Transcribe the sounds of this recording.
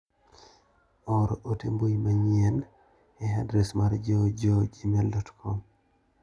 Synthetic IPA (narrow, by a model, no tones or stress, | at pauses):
ɔɾɔʔotembojmaɲɛn | ɛɦadɾɛsmaɾd͡ʒod͡ʒod͡ʒimɛldɔtkʰɔm